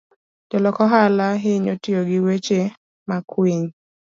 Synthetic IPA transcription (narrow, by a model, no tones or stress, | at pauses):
d͡ʒɔlɔkɔɦalaɦɪɲotɪoɡɪwet͡ʃe | makweɲ